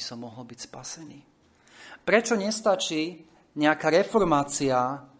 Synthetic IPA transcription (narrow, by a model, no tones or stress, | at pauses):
isɔmːɔɦɔlbicspasɛniː | pɾɛt͡ʃɔɲɛst̪at͡ʃiː | ɲɛakaɾɛfɔɾmaːt͡sia